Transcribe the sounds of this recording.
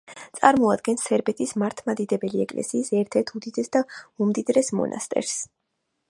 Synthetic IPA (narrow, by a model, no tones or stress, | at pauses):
t̪sʼaɾmɔad̪ɡɛnsɛɾbɛt̪ʰismaɾt̪ʰmad̪id̪ɛbɛliɛ̰kʼlɛ̰siːsɛɾt̪ʰɛɾt̪ʰud̪id̪ɛsd̪aumd̪id̪ɾɛsmɔ̰na̰st̪ʼɛ̰ɾs